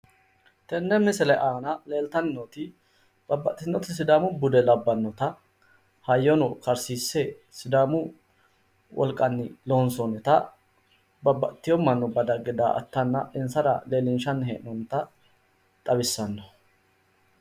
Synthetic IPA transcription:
t̪ɛnːɛmɪsɛlɛʔaːnɐle̞ːlt̪ɐnɪnɔt̪ɪ | b̥ɐbːɐ̰t̪ːɪnːɔt̪ɪs̬ɪd̪aːmʊbʊd̪ɛlɐbːɐnːɔt̪ɐ | hɐjːɔnɔkɐɾsiːsːɛ | sɪd̪aːmʊ | wʔɔ̰lkʼːɐnːɪ̰loːnsɔnɛt̪ɐ | bɐbːɐ̰t̪ːɪjɔmɐnːɔbɐd̪ɐɡɪd̪a̰ːʔɐ̰t̪ːɐnːɐ̰ʔɪnsɐɾɐ̰le̞ːlɪnʃɐnːhḛːʔnɔnt̪ɐ | t̪ʼɐbɪsːɐnːɔ̥

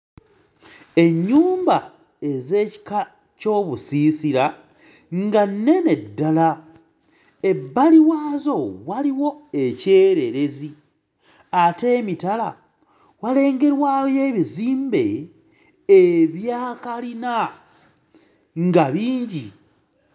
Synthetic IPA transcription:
e̞ɲːuːmba | e̞ze̞ːci̥ka | co̞ːβusisiɾa | ŋɡanːe̞ne̞dːala | e̞bːaliwaːzo̞waliwo̞e̞ce̞ːɾe̞ɾe̞zi | ate̞ːmitala̰ | wale̞ːŋɡe̞ɾwaːwje̞ːβiziːmbe̞ː | βjaːkalina | ŋɡaβiːɲɟi

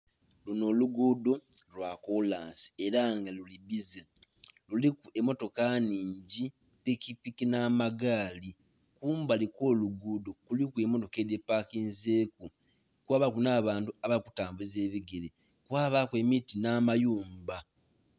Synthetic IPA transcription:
luno̞ːluɡuːdo̞lwakolaːnsi̥eɾaŋɡaluliβizelulikue̞mo̞to̞kaniːɲɟi | pikipikinamaɡaːli | kuːmbaliko̞ːluɡuːdo̞kulikuemo̞to̞kedepakiːnzeːku | kwaːβakunaːβaːntuaβakutaːmbuze̞ːβiɡele | kwaːβakwe̞ːmitinaːmajuːmba

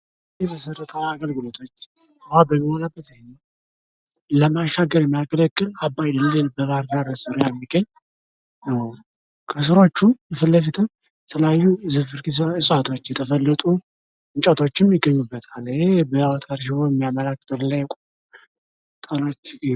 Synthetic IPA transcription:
ɛməsəɾət̪ʰəaɡəlɡɨlo̞t̪ʰo̞t͡ʃː | hʷwʷabəmːiho̞nabːət̪ɨze | ləmaʃːaɡəɾjɛmːijalkʰələkːɨlabːajlɨnlelbəɡaɾɡaɾsɨɾjɛmːiɡəɲː | nəw | kʰɨsɨɾo̞t͡ʃːujɨfəlːəfit̪ʰɨm | jɛt̪ʰələjajːuzɨfɨɾkiɨsʼat̪ʰo̞t͡ʃːjɛt̪ʰəfəlːət̪ʼu | ɨɲt͡ʃʼət̪ʰo̞t͡ʃːɪmjɪɡːəɲːubːət̪ʰalɪhebəwt̪ʼaɾʃ̬ɪbojɛmːijaməlakːɨ̥t̪ʰʼollajɛkʼo | t̪ʼalo̞t͡ʃː

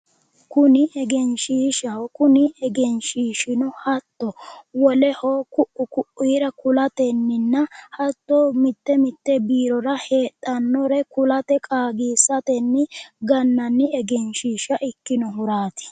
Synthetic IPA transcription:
kʊnɪʔɛɡɛnʃiːʃɐwkʊnɪɛɡɛnʃiːʃɪnɔhɐt̪ːɔwɔlɛhoːkʊʔʊkʊʔiːɾɐkʊlɐt̪ɛnːɪnːɐhɐt̪ːoːmɪt̪ːɛmɪt̪ːɛbiːɾɔɾɐhe̞ːt̪ʼːɐnːɔɾɛkʊlɐt̪ɛkʼaːɡiːsɐt̪ɛnːɪɡɐnːɐnːɪɛɡɛnʃiːʃɐʔɪkːɪnɔɦʊɾaːt̪ɪ̥

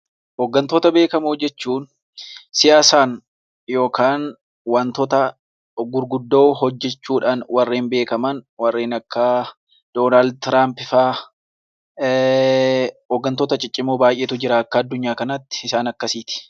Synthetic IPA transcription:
hɔɡːɐnt̪oːt̪ɐbe̞ːkɐmʊɔd͡ʒːɛt͡ʃːuːn | sɪjaːsaːn | jo̞ːkaːn | wɐnt̪ɔt̪ɐ | ɡʊɾɡʊd̪ːo̞ːɦɔd͡ʒːɛt͡ʃːuːᶑaːnwɐrːeːnbe̞ːkɐmɐnwɐrːeːnɐkːɐ | d̪̥oːnaːld̪̚t̪ɾaːmpɪfaː | ɔɡːɐnt̪oːt̪ɐt͡ʃʼɪt͡ʃʼːɪmoːbaːjʔeːt̪ʊd͡ʒɪɾɐɐkːɐːd̪ːʊɲːaːkɐnɐt̪ːɪ̥ɪsaːnɐkːɐsiːt̪ɪ̥

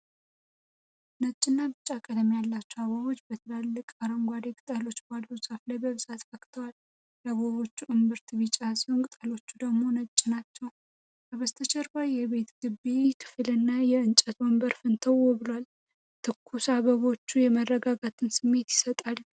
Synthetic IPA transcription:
nət͡ʃʼːɪnːabɨt͡ʃʼːakʼəd̪əmjalːat͡ʃːuaβoβo̞t͡ʃːbət̪ʰəlalːɨkʼaɾəŋɡʷwad̪ekʼɨt̪ʼalo̞t͡ʃːbalːusʼaflajbəβɨzʼat̪fəkʼt̪ʰəwal | jaβoβo̞t͡ʃːuʔɨmbɨɾt̪ʰɨβɨt͡ʃʼːasiwoŋkʼɨt̪ʼalo̞t͡ʃːud̪əɡmo̞nət͡ʃʼːɪnat͡ʃːɛw | kəβəst̪ʰət͡ʃʰɛɾbajjɛβe̞t̪ɡɨbːe̞kʰɨ̥flɨnːajɛɨnt͡ʃʼət̪wombəɾfɨnt̪ʰəwɔbɨlwal | t̪ʰɨkʰːusaβəβo̞t͡ʃːujɛmərːəɡaɡat̪ʰɨnsɨmːe̞t̪jɪ̥sət̪ʼal

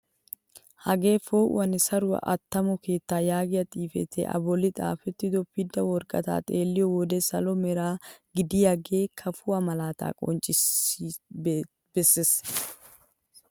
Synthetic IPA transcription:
hɐɡe̞ːfoːʔʔɐnɪsɐɾʊwɐ̰ʔɐt̪ːɐmɔke̞ːt̪ːaːjaːɡɪjɐt̪ʼiːfɛ̰t̪ʰḛʔɐ̰bɔlːɪt̪ʼa̰ːfɛt̪ːɪd̪ɔpːɪd̪ɐwɔɾkʼɐ̰t̪a̰ːt̪ʼeːlːɪjɔwɔd̪esɐlɔmɛɾaːɡɪd̪ɪjɐɡeːkʰɐfʊɐmɐlaːt̪a̰ːkʼɔ̰nt͡ʃʼɪ | b̥ɛsːɪs

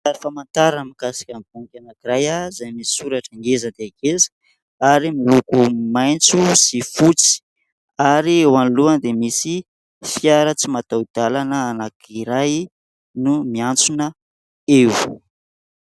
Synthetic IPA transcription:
aɾifamant̪aɾamikasḁkʲambuŋkʲanakiɾajazajmisi̥suɾaʈ͡ʂaŋɡezəd̪eaɡezə̥ | aɾimilukumajnt͡susifut͡si̥ | aɾiewanluənd̪emisi | fjaɾət͡simat̪awd̪̥alanəːnakiɾaj | numiant͡sunə | ew

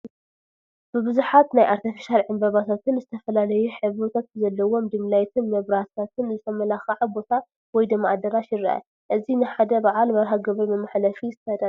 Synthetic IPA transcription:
b̥ɨbɨzuħat̪najʔaɾt̪ʰifi̥ʃalʕɨmbɐβat̪ʰat̪ʰɨnzɨt̪ʰɐfɐlalɐjuħɨβɔt̪ʰat̪̚zɐlːɐwo̞md̪ɨmlajt̪ʰɨnmɐβɾat̪ʰat̪ʰɨnzɨt̪ʰɐmɐlaxɐʕabo̞t̪ʰa | wɔjd̪ɨmːa̰ʕd̪ɐɾaʃɪrɐʔɐ̰ | ʔɨzinɨħad̪ɐbaʕalmɐɾħaɡɐβɨɾmɨmːaħlɐfiɨt̪ʰɐd̪a

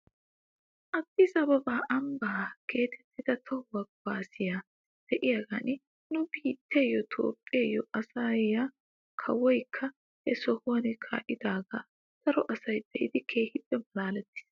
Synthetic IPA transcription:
ʔɐt̪ːɪsɐbɐbaːʔɐmbaːkʰe̞ːt̪ʰɛt̪ːɪd̪ɐt̪ʰɐwɐɡbaːsɪja | d̪̥ɛʔɪjaɡanɪ | nʊbiːt̪ʰːejːɔt̪ʰo̰ːpʼːeːjɔʔɐsaːjɐ | kʰɐ̰wɔjkʰːɐ | hɛsɔhoɐnɪkʰa̰ːʔɪd̪aːɡɐ | t̪ɐɾɔʔɐsɐjd̪ɛʔɪ̰d̪ɪkʰeːhɪpʼːɛmɐlaːlɛt̪ːɪ̥s

